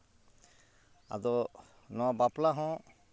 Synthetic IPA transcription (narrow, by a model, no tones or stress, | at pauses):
a̰d̪ɔ | nɔwabaplaɦɔ̃